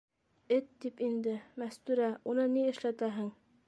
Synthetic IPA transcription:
ɘt̪ːipind̪ɘmæst̪ʉɾæunɤniɘ̆ʃlæt̪æɦɘŋ

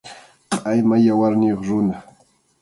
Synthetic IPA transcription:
pʼajmajawaɾnɪjoχɾʊna

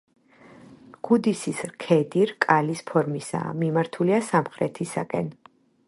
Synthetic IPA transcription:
ɡ̥ud̪isisɾkʰɛd̪iɾkʼalispʰɔɾmisa̰mimaɾt̪ʰuliasamχɾɛt̪ʰisa̰kʼɛ̰n

